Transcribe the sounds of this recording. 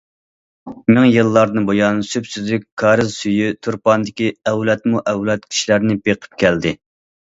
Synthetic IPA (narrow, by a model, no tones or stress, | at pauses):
mɪŋjɨlˠːɑɾd̪ɨnbojɑnsypsyzlykʲkʰːɑːɾɨzsyjyt̪ʰuɾpɑnd̪ɪkʲiɛwlɛt̪muʔɛwlɛt̪̚kʲʰi̥ʃlæɾnɪbeqʰə̥p̚kʲɛld̪ɪ